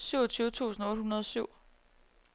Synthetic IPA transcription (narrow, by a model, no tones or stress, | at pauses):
syʊ̰ɐt͡sʰyːʊət͡sʰṵːsn̩ɔ̽ːd̥ɦunɐð̞ˠɒ̽syʊ̰